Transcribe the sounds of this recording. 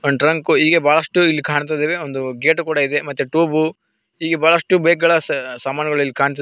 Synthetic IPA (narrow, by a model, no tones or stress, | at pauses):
ʈɾɐŋkuɦiːɡebaːɭɐʂʈuilːikaːɳt̪̬ajd̪eːʋeond̪uɡeːʈkuːɽɐid̪e̞mɐt̪ːeʈuːbu | iːɡebaːɭɐʂʈubeːɡɐɭɐsamaːnɐɡɐɭuilːikaːɳt̪ɐ